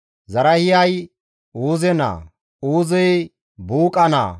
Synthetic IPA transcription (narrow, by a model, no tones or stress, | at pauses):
zɐɾɐhɪjɐj | uːzɛna̰ː | uːzɛj | buːkʼɐna̰ː